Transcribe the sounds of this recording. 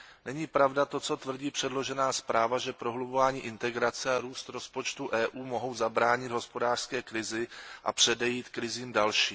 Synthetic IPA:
nɛɲiːpɾavdat̪o̞t͡so̞t̪vr̩ɟiːpr̥ɛdlo̞ʒɛnaːspɾaːvaʒɛpɾo̞ɦlubovaːɲiːʔɪnt̪ɛɡɾat͡sɛaɾuːst̪ɾo̞spo̞t͡ʃt̪uʔɛːʔuːmo̞ɦo̞wzabɾaːɲɪd̪ɦo̞spo̞daːr̥skɛːkɾɪzɪʔa̰pr̝̥ɛdɛjiːt̪kɾɪziːmdalʃiː

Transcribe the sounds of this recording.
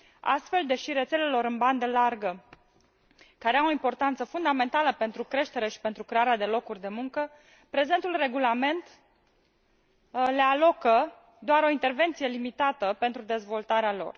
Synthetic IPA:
a̰st̪fe̞ld̪e̞ʃiɾe̞t̪se̞le̞lo̞ɾɨnband̪əlarɡə | kaɾeawoimpo̞rt̪ant̪səfund̪ame̞nt̪aləpe̞nt̪ɾukɾe̞ʃt̪e̞ɾe̞ʃi̥pent̪ɾukɾe̞aɾead̪e̞lo̞kurʲd̪e̞muŋkə | pɾe̞ze̞nt̪ulre̞ɡulame̞nt̪ | le̞alo̞kə | d̪oaɾo̞int̪e̞rve̞nt̪sije̞limit̪at̪əpe̞nt̪ɾud̪e̞zvo̞lt̪aɾealo̞̰r

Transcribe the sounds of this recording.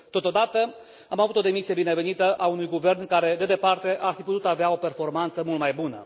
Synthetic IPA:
t̪o̞t̪o̞d̪at̪ə | amavut̪od̪e̞misije̞bine̞ve̞nit̪əʔaunujɡuve̞rnkaɾe̞d̪e̞d̪e̞part̪e̞ʔarfiput̪ut̪aveao̞pe̞rfo̞rmant̪səmult̪majbunə

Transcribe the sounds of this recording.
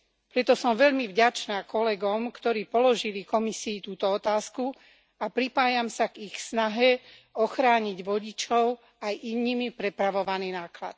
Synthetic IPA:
pɾɛt̪ɔsɔmʋɛʎmivɟat͡ʃnaːkɔlɛɡɔmkt̪ɔɾiːpɔlɔʒilikɔmisiːt̪uːt̪ɔɔt̪aːsku | apɾipaːjamsaɡixsnaɦɛɔxɾaːɲiɟʋɔɟit͡ʃɔʊ | ajʔinːiːmipɾɛpɾaʋɔʋaniːnaːkla̰t̪̚

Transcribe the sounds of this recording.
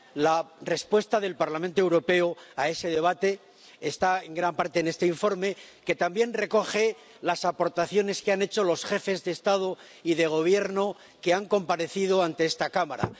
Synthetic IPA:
lare̞spwe̞st̪aðe̞lpaɾlamẽnt̪oewɾo̞pe̞oae̞se̞ðe̞β̞at̪e̞ː | st̪aeŋɡɾampaɾt̪e̞ːnest̪eiɱfo̞ɾme̞ke̞t̪ambje̞nre̞ko̞χe̞ | lasapo̞ɾt̪aθjo̞ne̞skeane̞t͡ʃo̞lo̞sχe̞fe̞zðe̞ːst̪að̞o̞ | iðe̞ɣ̞o̞β̞je̞ɾno̞ | keaŋko̞mpaɾe̞θiðo̞ant̪e̞est̪akamaɾa̰

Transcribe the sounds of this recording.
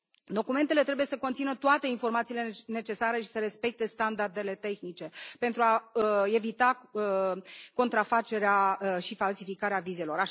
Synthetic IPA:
d̪o̞kume̞nt̪e̞let̪ɾe̞buje̞səkont̪sinət̪oat̪e̞info̞rmat̪siːle̞ne̞t͡ʃe̞saɾe̞ʃi̥səɾe̞spe̞k̚t̪e̞st̪and̪ard̪e̞le̞t̪e̞xnit͡ʃe̞pent̪ɾuae̞vit̪a | ko̞nt̪ɾafat͡ʃe̞ɾeaʃifalsifikaɾeavize̞lo̞ɾa

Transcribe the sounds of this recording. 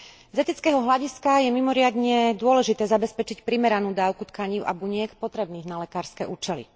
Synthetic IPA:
zɛt̪it͡skɛɦɔɦlaɟiskajɛmimɔɾɪad̪ɲɛd̪ʊɔlɛʒit̪ɛːzabɛspɛt͡ʃicpɾimɛɾanuːd̪aːʊkut̪kaɲiːʊʔa̰buɲɪɛkpɔt̪ɾɛbniːɣnalɛkaːɾskɛʔuːt͡ʃɛlḭ

